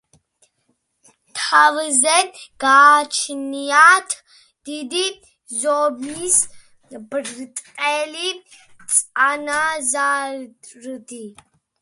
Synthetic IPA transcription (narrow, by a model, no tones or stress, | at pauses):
t̪ʰavzɛɡ̥aːt͡ʃʰnijat̪ʰ | d̪̥id̪i | zɔbis | bɨrt̪ʼqʼɛlit͡sʼanaza | rɨd̪i